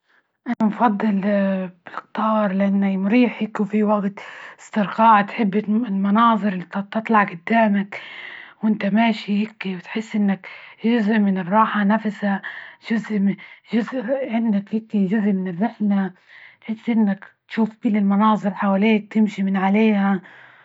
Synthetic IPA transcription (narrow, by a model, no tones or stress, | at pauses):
ʔanamfɑd̪ˤːɨlbɪlɪqt̪ɑːɾˤlɪʔanːamɾiːħɪkwfiwaɡt̪ɪ̥st̪ɪɾqɑːʕt̪ħɪbːɪlmɑnɑːðˤɨɾɪlːit̪t̪ɨt̪ˤlɑʕɡʊd̪ːaːmakwʔɪnt̪amaːʃihɪkːiwt̪ħɪsːʔɪnːakʒʊzʔmɪnɪrˤːɑːħanafsaʒ̥ʊzʔmʒʊzʔʕɪnd̪akhɪkːiʒʊzʔmɪnɪrːɪħla | t̪ħɪsːʔɪnːak̪ʃuːfkʊlːɪlmɑnɑːzˤɨɾħawaleːk̚t̪ɪmʃimɪnʕaleːha